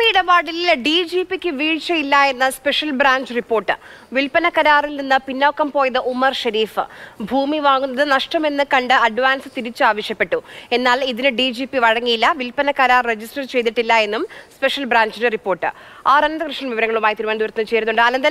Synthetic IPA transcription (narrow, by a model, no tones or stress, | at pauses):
iɽɐbaːɽilɖiːd͡ʑiːpːikʲːɨʋiːɻt͡ɕːɐjilːɐe̞nːɨspe̞ʂɐlbɾaːɲd͡ʑɨripːo̞ːrʈːɨ | ʋilpɐnɐkːɐɾaːrilninːɨpinːoːkːɐmpo̞ːjɐðɨʔumɐrʂɐɾiːfɨbʱuːmiʋaːŋːunːɐðɨnɐʂʈɐme̞nːɨkɐɳɖɨɐɖʋaːnsɨt̪iɾit͡ɕːɨaːʋɐʂjɐpːe̞ʈːue̞nːaːɭiðinɨɖiːd͡ʑiːpːiʋɐɻɐŋːijilːɐʋilpɐnɐkːɐɾaːrred͡ʑisʈɐrt͡ɕe̞jt̪̬iʈːilːɐe̞nːumspe̞ʂɐlbɾaːɲd͡ʑineripːo̞ːrʈːɨ̰aːɾɐnɐnd̪ɐkrɨʂɳɐʋiʋɐɾɐŋːɐɭumaːjit̪iɾumaːnd̪uɾɐt̪nɐt͡ɕe̞ːɾunːuɳɖɨɐlɐnd̪ɐ